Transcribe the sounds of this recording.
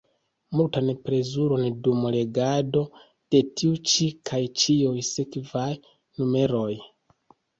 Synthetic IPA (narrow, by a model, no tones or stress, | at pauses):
multanpɾe̞zuɾo̞ndumle̞ɡado̞ | d̥e̞tʰiut͡ʃikʰajt͡ʃiujsekvaj | nume̞ɾo̞j